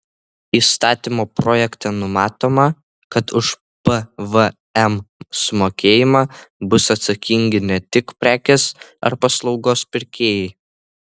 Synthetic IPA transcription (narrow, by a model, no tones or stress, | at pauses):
iːst̪ɑːt̪ʲimoːpɾoːjɛkt̪ɐnʊmɑːt̪oːmɐ | kɐt̪ʊʃ | pəʋə | ɛmsʊmoːkʲeːjɪmɑbʊsɐt̪sɐkʲɪŋʲɡʲɪnʲɛt̪ʲɪkpʲɾʲæːkʲesɐ̰ɾpɐslˠɒʊɡoːspʲɪɾʲkʲeːjɛɪ